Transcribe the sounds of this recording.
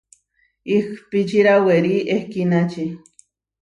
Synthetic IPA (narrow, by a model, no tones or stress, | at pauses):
ixpit͡ʃiɾaweɾiʔehkinat͡ʃi